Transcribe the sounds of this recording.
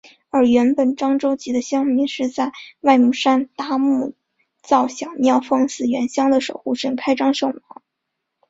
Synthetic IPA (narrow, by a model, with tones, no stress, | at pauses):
ə˞˧˥ɥɛ˧˥npə˨˩nʈ͡ʂɑ˥ŋʈ͡ʂo˥ʊt͡ɕi˧˥d̪ə˧ɕjɑ˥ŋmi˧˥nʂɻ̩˥˧t͡sa˥˧ɪwa˥˧ɪmu˥˩ʂa˥nt̪a˥mu˥˩ | t͡sɑ˥˩ʊɕjɑ˨˩ʊnjɑ˥˩ʊfɤ˥˧ŋsɹ̩˥˩ɥɛ˧˥nɕjɑ˥ŋd̪ə˨ʂo˨˩ʊxu˥˧˩ʂə˥˩ŋkʰa˥ɪʈ͡ʂɑ˥ŋʂɤ˥˩ŋmɑ˧˥˦ŋ